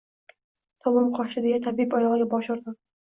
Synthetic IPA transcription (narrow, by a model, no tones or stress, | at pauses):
t̪ʰɒmɒmqʰɒʃɪd̪ejat̪ʰabipɒjɒʁaɡʲabɒʃɒɾd̪ɪ